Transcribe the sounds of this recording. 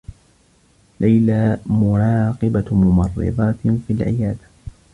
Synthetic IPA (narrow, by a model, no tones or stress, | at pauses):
lajlaːmʊɾˤɑːqɨbamʊmɑrˤːɨ̰ðˤɑːt̪filʕɪ̰jaːd̪a